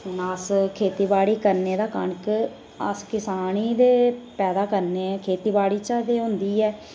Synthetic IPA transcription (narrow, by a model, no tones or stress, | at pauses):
ʊnaskʰeːt̪iːbaːɽiːkəɾneːd̪aːkə̰ɳk | ə̰skɪsaːniːd̪eːpɛːd̪aːkəɾneːɛːkʰeːt̪iːbaːɽiːt͡ʃaːd̪eːɦʊ̃nd̪iːɛː